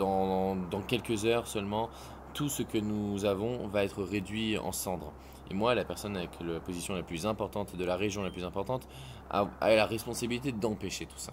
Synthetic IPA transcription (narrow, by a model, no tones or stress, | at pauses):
ɑ̃d̪ɑ̃kʲɛlkəzœʁsœlmɑ̃ | t̪usəkənuzavɔ̃vaɛt̪χəʁed̪ɥiɑ̰̃sɑ̃d̪ʁ | ḛmwalapɛʁsɔnavɛklapozisjɔ̃laplyzɛ̃pɔʁt̪ɑ̃t̪ed̪əlaʁeʒjɔ̃laplyzɛ̃pɔʁt̪ɑ̃t̪ | a̰a̰ɛlaʁɛspɔ̃sabilit̪ed̪ɑ̃peʃet̪u̥sḁ